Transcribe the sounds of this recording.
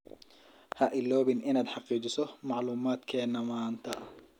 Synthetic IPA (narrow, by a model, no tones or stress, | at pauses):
hɐʔɪlɔːβɪnʔɪnaːd̪ħɑqiːt͡ʃɪsɔmɑʕluːmaːd̪kʰɛːnɐmaːnt̪ʰɐ